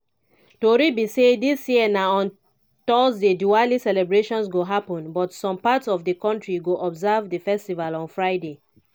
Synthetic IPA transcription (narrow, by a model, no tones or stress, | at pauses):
toɹibisedisjiənaɔ̃n | tɔsdedualisɛlɛbɹeʃɔ̃nsɡoɦapɔ̃nbɔtsɔ̃mpatsɔvdəkɔ̃ntɹiɡoʔɔbzavdəfɛstivalɔ̃nfɹaɪde